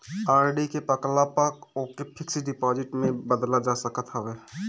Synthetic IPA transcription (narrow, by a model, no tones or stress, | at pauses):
aːɾɖikepəklapəkokepʰɪksiɖɪpɔːd͡ʒɪʈmẽbəd̪lad͡ʒasəkət̪ɦəweː